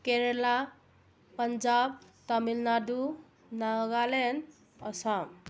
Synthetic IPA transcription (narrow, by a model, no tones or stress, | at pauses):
keɾela | pənd͡ʒab̚t̪ʌmilnad̪u | naɡalen | ʌsam